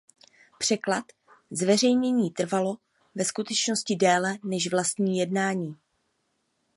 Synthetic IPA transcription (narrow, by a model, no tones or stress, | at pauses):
pr̝̥ɛklat̪ | zvɛr̝ɛjɲɛɲiːt̪r̩valo̞ | vɛskut̪ɛt͡ʃno̞scɪdɛːlɛnɛʃvlast̪ɲiːjɛdnaːɲiː